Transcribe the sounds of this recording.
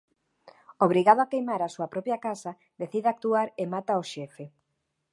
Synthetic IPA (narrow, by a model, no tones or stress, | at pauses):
oβ̞ɾiɣað̞oakejmaɾasuɐapɾɔpjakasa | d̪eθiðeak̚t̪uaɾemat̪aoʃɛfe